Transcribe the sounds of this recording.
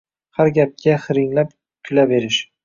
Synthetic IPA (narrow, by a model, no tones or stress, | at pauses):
haɾɡʲap̚kʲʰaχɪɾɪŋlap̚ | kʲʰʊlabe̞ɾɪʃ